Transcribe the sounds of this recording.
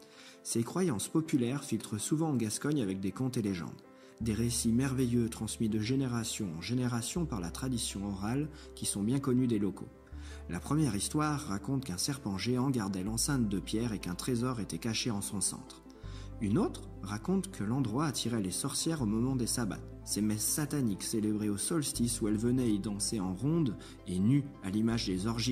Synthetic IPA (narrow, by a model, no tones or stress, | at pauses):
sekχwajɑ̃spɔpylɛʁfilt̪χəsuvɑ̃ɑ̃ɡaskɔɲavɛk̚d̪ekɔ̃t̪eleʒɑ̰̃d̪ | d̪eʁesimɛʁvejøt̪χɑ̃smid̪əʒeneʁasjɔ̃ɑ̰̃ʒeneʁasjɔ̃paʁla̰t̪χad̪isjɔ̃ɔʁalkʲisɔ̃bjɛ̃kɔnyd̪elɔkʰo̰ | lapχəmjɛʁist̪waʁːakɔ̃t̪kɛ̃sɛʁpɑ̃ʒeɑ̃ɡaʁd̪ɛlɑ̃sɛ̃t̪̚d̪əpjɛʁekɛ̃t̪χezɔʁet̪ɛkaʃeɑ̃sɔ̃sɑ̰̃t̪χ | ynot̪χ | ʁakɔ̃t̪kʰəlɑ̃d̪ʁwaːt̪ʰiʁɛlesɔʁsjɛʁomɔmɑ̃d̪esaba̰t̪ | semɛsːat̪anikselebʁeosɔlst̪isuɛlvənɛid̪ɑ̃seɑ̃ʁɔ̃d̪ | enyalimaʒd̪ezɔʁʒi